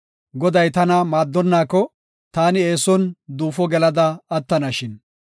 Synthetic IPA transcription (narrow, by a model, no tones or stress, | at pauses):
ɡɔd̪ɐjt̪ɐnɐmaːd̪ːɔnːaːkːɔ | t̪aːnɪeːsɔnd̪uːfɔɡɛlɐd̪ɐɐt̪ːɐnɐʃɪn